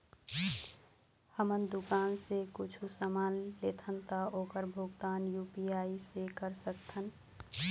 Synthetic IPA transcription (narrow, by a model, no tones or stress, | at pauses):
həmənd̪ʊkaːnsekʊt͡ʃʰusəmaːnleːt̪ʰənt̪aoːkəɾbʱʊɡt̪aːnjuːpiaːisekəɾsəkt̪ʰən